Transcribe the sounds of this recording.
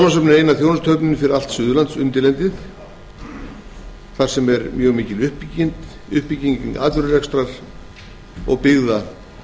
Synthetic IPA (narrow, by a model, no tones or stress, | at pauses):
masœpnɪɾeːjnaθjownast̪ʰœpnɪnʏfɪɾɪɾal̥t̪sʏːðʏlant̪sʏnt̪ɪlɛnt̪ɪθ | θaɾ̥sɛmɛɾmjœːɣmiːcɪlʏhpicɪnt̪ | ʏhpiciŋkɪna̰ːt̪vʏɾʏrɛkst̪ɾal | ɔ̰ɣpɪɣða